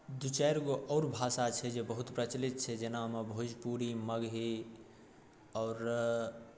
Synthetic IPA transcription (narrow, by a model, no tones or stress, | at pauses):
d̪ut͡ʃɛjɾɡoʔɔʊɾbʱasat͡ʃʰɛd͡ʒebəɦut̪pɾət͡ʃlit̪̚t͡ʃʰɛd͡ʒenamebʱod͡ʒpuɾiməɡɦi | ɔʊɾ